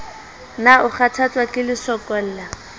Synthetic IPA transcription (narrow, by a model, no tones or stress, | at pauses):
naʊχatʰat͡sʼwakʼɪlɪsɔkʼɔl̩ːla